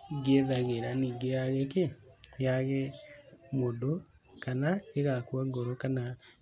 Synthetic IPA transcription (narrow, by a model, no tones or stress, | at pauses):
ɡeðaɣeɾaniːŋɡejaɣekejaɣemodo | kanaeɣakwaɡoɾokana